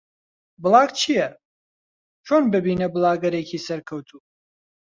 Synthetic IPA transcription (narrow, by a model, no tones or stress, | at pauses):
bɨlˠɑːɡ̚t͡ʃʰijɛ | t͡ʃʰonbɨbiːnɐbɨlˠɑːɡɐɾecʰiːsɐɾkʰɐwt̪ʰuː